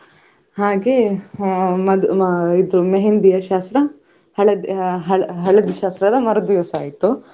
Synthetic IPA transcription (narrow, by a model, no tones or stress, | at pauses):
haːɡe | mɐd̪id̪ɾumeɦend̪ijɐʃaːst̪ɾɐ | hɐɭɐd̪ɦɐɭɦɐɭɐd̪iʃaːst̪ɾɐd̪ɐmɐɾɐd̪ujɐsaːjit̪ːu